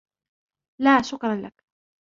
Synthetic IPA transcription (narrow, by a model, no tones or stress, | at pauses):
laːʃʊkɾˤɑnla̰k